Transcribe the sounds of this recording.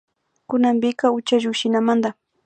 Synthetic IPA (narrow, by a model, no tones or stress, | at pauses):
kʊnambɪkaʊt͡ʃaʒʊkʃɪnamand̪a